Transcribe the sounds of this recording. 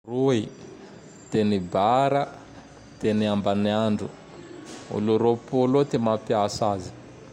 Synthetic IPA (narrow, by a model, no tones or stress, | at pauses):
rui | t̪enibaɾa | t̪eniambaniaɳɖ͡ʐu | ṵluɾopolot̪emapiasazi̥